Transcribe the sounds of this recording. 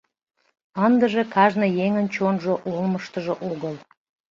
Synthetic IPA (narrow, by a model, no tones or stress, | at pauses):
ənd̪əʒekɑʒnɤjeŋənt͡ɕonʒoʔolməʃt̪əʒoʔoɣəl